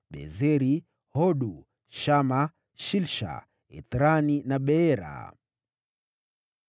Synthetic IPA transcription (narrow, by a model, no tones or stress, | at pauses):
ɓɛ̰zɛɾi | hɔɗu | ʃama | ʃilʃa̰ | ɛ̰t̪ɾaninaɓɛɛɾa̰